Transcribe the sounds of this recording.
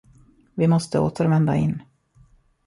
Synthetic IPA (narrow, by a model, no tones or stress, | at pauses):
vɪmɔst̪əo̰ːt̪ʰəɾvɛnd̪a̰ɪ̰nː